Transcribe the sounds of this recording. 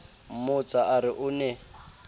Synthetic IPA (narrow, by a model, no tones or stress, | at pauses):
mʊt͡saʔaɾɪʔʊnɛ